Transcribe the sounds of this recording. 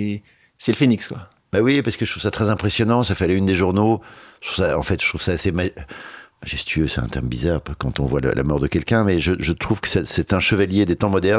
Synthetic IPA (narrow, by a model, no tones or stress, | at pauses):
sɛləfenikskwa | bawipaʁsə̥kəʒət̪χuv̥sat̪χɛzɛ̃pχesjɔnɑ̃safɛlaynd̪eʒuʁnoə̥t̪χuv̥saɑ̰̃fɛt̪ʒ̥ət̪χuvsaːsema | maʒɛst̪ɥøsɛt̪ɛ̰̃t̪ɛ̰ʁməbizaʁkɑ̃t̪ɔ̃vwalə̰lʔa̰mɔʁd̪əkʲɛlkʲɛ̃mɛʒəʒət̪χuv̥kə̥sɛsɛt̪ɛ̃ʃəvaljed̪et̪ɑ̃mɔd̪ɛʁ